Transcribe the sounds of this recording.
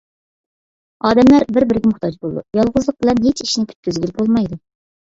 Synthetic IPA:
ɑːd̪ɛmlæɾbɪɾbɪɾɡʲɛmʊχt̪ʰɑd͡ʒbolˠd̪ujɑlˠʁʊzlˠəq̚bɪlɛnɦet͡ʃiʃnɪkʲʰy̥t̪kʲyzɡʲylbolˠmɑjd̪u

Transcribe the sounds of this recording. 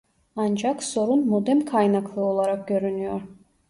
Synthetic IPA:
ɑnd͡ʒɑkso̞ɾunmod̪ɛmkʰajnakʰlˠɯo̞lˠaɾɑk̚ɟʲø̞ɾynyjoɾ

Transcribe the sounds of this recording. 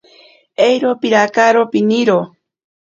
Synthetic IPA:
ejɾopiɾakaɾopiniɾo

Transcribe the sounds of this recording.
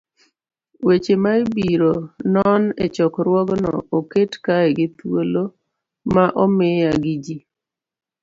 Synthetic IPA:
wet͡ʃemaibiɾonɔnɛt͡ʃɔkɾwɔɡnɔ̰oketkaɛɡɪt̪wolo | maʔɔmɪaɡid͡ʒi

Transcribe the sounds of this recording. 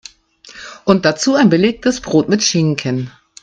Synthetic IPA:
ʔʊnt̚d̥at͡suːaɪnbəleːk̚təsb̥ʁoːtmɪtʃɪŋkʰən

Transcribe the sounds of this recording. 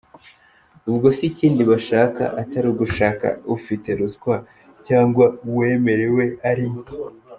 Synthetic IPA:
ubɡo̞siciːndiβaʃaːka̰ʔataɾiɡuʃaːka̰ufite̞ɾuzɡwa | caːŋɡwauwe̞ːme̞ɾe̞we̞aɾi

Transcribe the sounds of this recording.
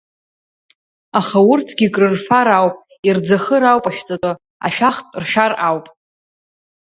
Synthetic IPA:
aχaʊrtʰɡʲikʼrɨrfaɾawpʼ | ird͡zaχəɾawpʼaʃᶣt͡sʼatʼɨ | a̰ʃᶣaχtʼrʃᶣarʔawpʼ

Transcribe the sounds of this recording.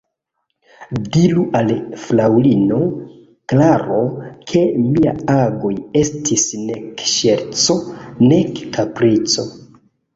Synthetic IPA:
diluʔalflawlino̞ | klaɾo̞kʰe̞mia̰aɡo̞je̞stʰisnekʃeɾt͡so̞ne̞kkapɾit͡so̞

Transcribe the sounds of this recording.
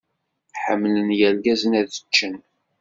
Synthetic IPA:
ħəmːlənjælɡæzənæðət͡ʃːən

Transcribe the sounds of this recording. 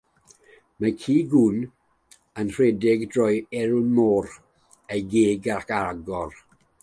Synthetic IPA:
makʰiːɡun | ənr̥wɛdɪɡdrɔjɛɾʊnmɔːɾ | ejɡeːɡakaɡɔr

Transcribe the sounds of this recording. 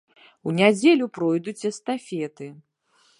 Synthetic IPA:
wnʲad͡zʲelʲupɾɔjd̪ut͡sʲɛst̪afʲɛt̪ɨ

